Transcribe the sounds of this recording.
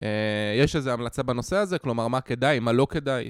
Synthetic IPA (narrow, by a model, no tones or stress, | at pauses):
ejeʃezeamlat͡sabano̞se̞azeklo̞maʁmake̞d̪ajmalo̞ke̞d̪aj